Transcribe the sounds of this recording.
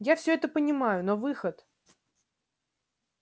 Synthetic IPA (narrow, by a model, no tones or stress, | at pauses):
jafsʲɵɛt̪əpənʲɪmajʊnovɨxət̪